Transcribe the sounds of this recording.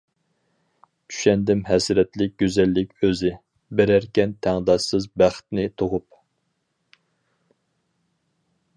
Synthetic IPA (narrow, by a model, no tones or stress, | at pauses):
t͡ʃʰy̥ʃɛnd̪ɪmɦɛsɾɛt̪lɪk̚ʲɡ̥ʲøzɛlːɪkʲøzɪ | beɾæɾkʲɛnt̪ʰæŋd̪ɑsɨzbæχt̪nɪt̪ʰoʁʊp̚